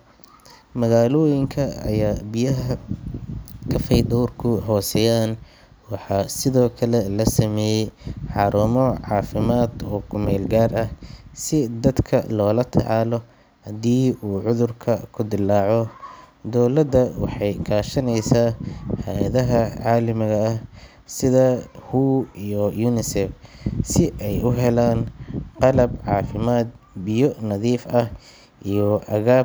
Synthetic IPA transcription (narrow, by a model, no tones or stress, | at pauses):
mɐɣaːlɔːjɪŋkʰɐɐ̰jaːbɪjɐɦɐ | kʰɐfɛjd̪ɔːrkʰʊɦɔːsɛjaːn | wɑħɑːsɪðɔːkʰɐlɛlɐsɐmɛːjɛjħɑːɾʊmɔʕɑːfɪmaːd̪ɔːkʰʊmɛːlɡaːrɐhsɪd̪ɐd̪kʰɐlɔːlɐt̪ʰɑ̰ʕɑːlɔ | hɐd̪iːʔuːʕʊðʊrkʰɐkʰʊd̪ɪlaːʕɔ | d̪ɔːlɐd̪ɐwɑ̰ħɑjkʰaːʃɐnɛjsaːhɐjɐðɐɦɐʕɑːlɪmɪɣɐɐ | sɪðɐhuːijɔjuːnɪsɛfsɪʔɛjʊɦɛlaːnqɑlɐbʕɑːfɪmaːd̪̚ | bɪjɔnɐðiːfɐh | ʔijɔʔɐɣaː